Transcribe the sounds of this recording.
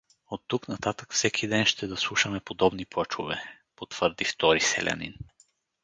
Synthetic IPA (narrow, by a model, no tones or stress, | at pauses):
ot̪ːuknɐt̪at̪ə̥kfsɛkʰid̪ɛnʃt̪ɛd̪ɐslˠuʃəmɛpod̪ɔbniplˠat͡ʃo̰vɛ̰ | pot̪v̥əɾd̪ift̪ɔɾisɛ̰lʲɐ̰nḭn